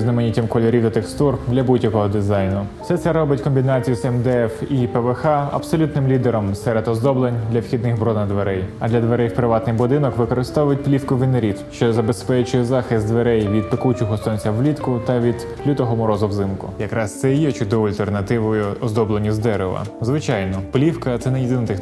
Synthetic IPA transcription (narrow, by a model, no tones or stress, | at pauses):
znɐmenʲitʲɐmkɔlʲɔɾʲiwd̪ɐt̪ekst̪urd̪lʲɐbudʲjɐkɔɦɔd̪ɪzɑjnʊfsɛt̪sɛɾɔbɪtʲkɔmʲbʲinɑt͡sʲijʊsɛmd̪eɛfipɛʋexɑɐ̰psɔlʲut̪nɪmlʲid̪eɾɔmsɛɾed̪ɔzd̪ɔblˠenʲd̪lʲɐwxʲid̪nɪxbɾɔd̪nɐd̪ʋeɾɛjɐd̪lʲɐd̪ʋeɾɛjwpɾɪʋɑt̪nɪjbʊd̪ɪnɔkʋɪkɔɾɪst̪ɔʋʊjʊtʲplʲifkʊʋɪnɐɾʲiw̪ʃt͡ʃɔzɐbespɛt͡ʃʊjɛzɑxɪst̪d̪ʋeɾɛjʋʲid̪̚pekut͡ʃɔɦɔsɔnʲt͡sʲɐʋlʲit̪kʊt̪ɐʋʲid̪ | plʲut̪ɔɦɔmʊɾɔzʊwzɪmkʊ̰jɐkɾɑst̪sɛjɛt͡ʃʊd̪ɔʋʊɐlʲt̪ernɐt̪ɪʋʊjʊɔzd̪ɔblˠenʲizd̪ɛɾeʋɐ̰zʋɪt͡ʃɑjnɔplʲiwkɐt̪sɛnɛjed̪ɪnɐt̪ɪx